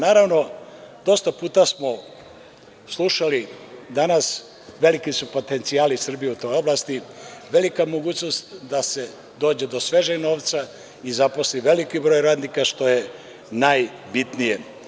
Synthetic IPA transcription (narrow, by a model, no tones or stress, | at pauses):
naːɾaʋno̞d̪o̞st̪apuːt̪asmo̞ | slˠuʃalid̪anas | ʋe̞likisupo̞t̪e̞nt̪siaːlisr̩bijeut̪o̞jo̞blast̪iʋe̞likamo̞ɡuːt͡ɕno̞st̪d̪ase̞ | d̪o̞ːd͡ʑe̞d̪o̞sʋe̞ʒeɡno̞ːʋt̪sa | izapo̞sliʋe̞likibɾo̞jɾaːd̪nikaʃt̪o̞je̞ | najbit̪nije